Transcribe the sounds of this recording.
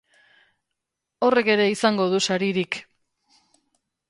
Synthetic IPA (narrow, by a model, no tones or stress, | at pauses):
o̞re̞ke̞ɾe̞isaŋɡo̞ðusaɾiɾik